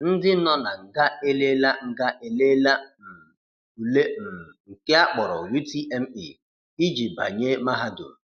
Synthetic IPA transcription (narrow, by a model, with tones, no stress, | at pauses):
n̩˦dɪ˦nɔ˦na˨ŋ̩˨ɡa˦e˦le˦la˦ŋ̩˨ɡa˦ʔe˨le˦la˦m̩˨ | u˨le˦m̩˨ŋ̩˨ke˦a˦k͡pɔ˨ɾɔ̰˨wi˦ti˦e˦m̩˦i˨ | i˦d͡ʒi˨ba̰˨ɲe˦ma˦ɦa˦dʊ̰˨ɾ